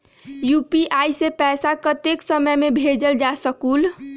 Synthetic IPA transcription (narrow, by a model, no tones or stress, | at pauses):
jupiʔajsepɛsakət̪eksəməjmebʱed͡ʒəld͡ʒasəkul